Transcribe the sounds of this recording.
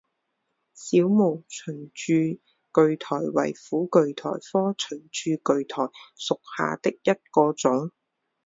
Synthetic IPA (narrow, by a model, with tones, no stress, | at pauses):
siː˨˥wmo˨˩wt͡ʃʰɵ˨˩nt͡ʃyː˧ | kɵ˨ɥt̪ʰɔː˨˩jwɐ̰˨˩jfuː˨˥kɵ˨˧ɥt̪ʰɔ̰ː˨˩jfɔː˥t͡ʃʰɵ˨˩nt͡ʃyː˧kɵ˨ɥt̪ʰɔː˨˩jsʊ˨k̚ha̰ː˨t̪ɪ˥k̚jɐ˥t̚kɔː˧t͡sʊ˨˥ŋ